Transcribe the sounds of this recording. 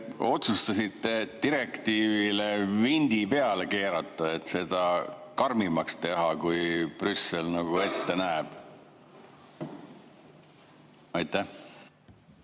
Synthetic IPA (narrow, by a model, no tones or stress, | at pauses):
o̞t̪sust̪ɑsit̪ːe̞t̪iɾe̞kt̪iːvile̞vind̪̥ipe̞ɑleke̞ːɾɑt̪ːˑɑe̞t̪se̞d̪̥ɑkɑrmimɑkst̪e̞ɦɑkujprysːelnɑɡ̥ue̞t̪ːe̞næːb̥ | ɑjt̪ːˑæ